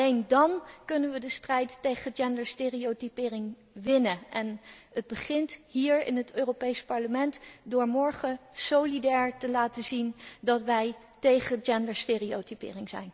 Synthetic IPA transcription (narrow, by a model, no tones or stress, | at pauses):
endɑnkɵnənʋədəstrɛjtːejχəd͡ʒɛndəɹsteːriotypɪːrɪŋ | ʋɪnəʔɛnəd̚bəχɪntɦiːɹɪ̰nɦətøːropejspɑɹləmɛntdʊːɹmɔɹχəsowlidɛːɹtəlaːtəzindɑtʋɛj | tejχəd͡ʒɛndəɹsteːriotypɪ̰ːrɪŋzɛ̰jn